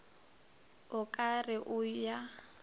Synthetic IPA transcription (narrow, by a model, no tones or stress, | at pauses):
ʊkʼarɪʔʊja